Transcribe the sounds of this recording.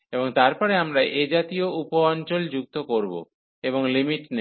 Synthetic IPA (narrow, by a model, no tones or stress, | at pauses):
eboŋt̪aɾpɔɾeamɾaʔed͡ʑat̪ioupoɔnt͡ɕold͡ʑuk̚t̪okoɾbo̰ | eβoŋlimiʈne